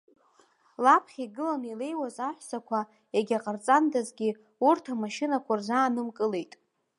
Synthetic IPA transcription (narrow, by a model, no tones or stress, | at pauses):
lapʰχʲiɡɨlanile̞jwazaħʷsakʷʰa | eɡʲaqʼart͡sʼandazɡʲi | urtʰamaʃɪnakʷʰarzaːnɨmkʼɨle̞jtʼ